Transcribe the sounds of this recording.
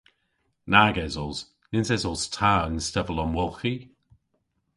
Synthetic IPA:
naɡɛzɔlz̥ | nɪnzɛzɔlˠz̥tʰaənstɛvəlɔnmwɔlˠxi

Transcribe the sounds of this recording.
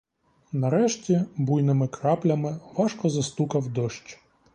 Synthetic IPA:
nɐɾɛʃtʲibujnɪmɪkɾɑplʲɐmɪʋɑʃkɔzɐst̪ukɐwd̪ɔʃt͡ʃ

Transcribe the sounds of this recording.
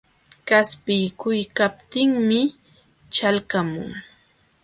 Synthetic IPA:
kaspɪjkʊjkap̚t̪ɪŋmɪ | t͡ʃalkamʊ̰ŋ

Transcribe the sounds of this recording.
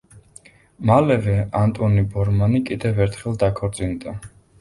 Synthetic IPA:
malɛvɛant̪ʼɔnibɔɾmanikʼid̪ɛvɛɾt̪ʰχɛlˠd̪akʰɔɾt̪sʼind̪a

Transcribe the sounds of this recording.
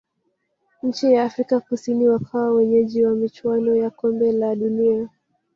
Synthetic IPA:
ɲ̩t͡ʃijaːfɾikakusiniwakʰawawɛɲɛʄiwamit͡ʃwanɔjakɔmbɛlaɗunia

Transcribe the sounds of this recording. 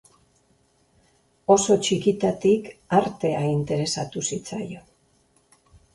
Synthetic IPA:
o̞so̞t͡ʃikit̪at̪ikaɾt̪e̞aint̪e̞ɾe̞sat̪usit͡sa̰jo̞

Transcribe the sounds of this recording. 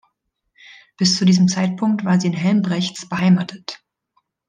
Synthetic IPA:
b̥ɪst͡sudiːzəm̩t͡saɪt̚pʰʊŋk̚tv̥aːɐziːɪnɦɛlmbʁɛçt͡sb̥əɦaɪmaːtʰət

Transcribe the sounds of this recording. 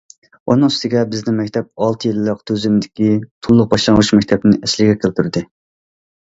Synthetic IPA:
unɨŋst̪ɪɡʲɛbɪznɪŋmɛkʲt̪ʰɛp̚ɑlˠt̪ʰɨjilːəqt̪ʰøzymd̪ɪkʲit̪ʰulˠːʊq̚bɑʃlˠɑŋʁuʃmɛkʲt̪ʰɛbnɪɛslɪɡʲɛkʲʰelˠt̪ʰyɾd̪ɨ

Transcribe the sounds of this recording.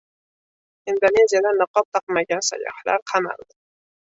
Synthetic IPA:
ind̪onezijad̪anɨqɒp̚t̪ʰɑqmaɡʲansa̰jɒ̰hla̰ɾqʰɑma̰lˠd̪ɪ

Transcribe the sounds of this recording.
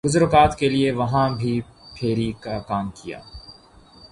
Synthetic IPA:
ɡʊzʊɾkaːt̪kelieʋɐɦãbʱipʰeːɾikakaːmkija̰ː

